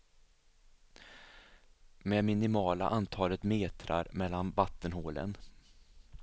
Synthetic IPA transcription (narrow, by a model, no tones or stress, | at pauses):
mɛmɪnɪmɑːla̰ʔant̪ʰɑːlət̪meːt̪ʰɾa̰ɾmɛlːanvat̪ʰːənɦoːlə̰n